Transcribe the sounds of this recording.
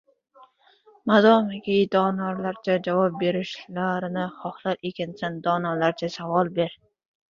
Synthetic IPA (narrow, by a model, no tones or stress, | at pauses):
mazɒmɪɡʲid̪ɒnaɾlaɾt͡ʃʰad͡ʒavɒp̚beɾɪʃlaɾɪnɪχɒχlˠaɾekʲɪnsand̪ɒnalaɾt͡ʃʰasavɒlˠbeɾ